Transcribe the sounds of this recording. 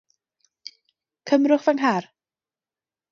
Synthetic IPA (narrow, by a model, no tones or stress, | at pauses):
kʰəmrʊχvanɦar